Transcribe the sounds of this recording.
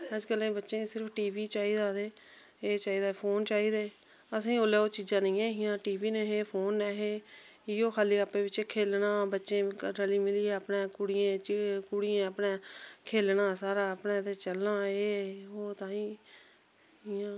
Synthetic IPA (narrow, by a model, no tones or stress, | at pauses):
əd͡ʒkəlẽːbətːʃẽːsɪɾəpʰʈiːʋiːt͡ʃaːiːd̪aːd̪eː | eːt͡ʃaːiːd̪aːpʰoːnt͡ʃaːiːd̪eː | əsĩːoːleːoːt͡ʃiːd͡ʒãːnĩːẽːɦɪjãːʈiːʋiːnɛːɦeːpʰoːnːɛːɦeː | ɪjoːkʰaːliːəpẽːbɪt͡ʃekʰeːlnãːbətːʃẽːɾəliːmɪliːɛːəpnẽːkʊɽɪjẽːt͡ʃkʊɽɪẽːəpneːkʰeːlnaːsaːɾaːəpnẽːt̪eːt͡ʃəlnaːeːoːt̪ãːĩː | ɦɪjãː